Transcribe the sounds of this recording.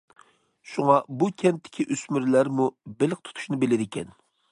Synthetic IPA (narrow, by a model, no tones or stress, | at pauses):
ʃuŋɑbukʲʰɛnt̪ʰːɪ̥kʲʰiʔysmyɾlæɾmubelɪq̚t̪ʰu̥t̪ʰu̥ʃnɨbelɪd̪ɪkʲʰɛn